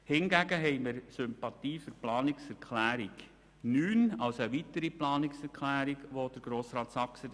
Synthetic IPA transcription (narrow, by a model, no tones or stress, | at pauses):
hɪnɡæɡəɦɛɪməɾsʏmpɑtiːfyɾplɑːnɪksɛɾkʰlæːɾiɡ | nyːnɑwsəʋit̪əɾiplɑːnɪksɛɾkχlæːɾiɡʋod̥əɾɡ̥ɾoːsɾɑːtsɑksə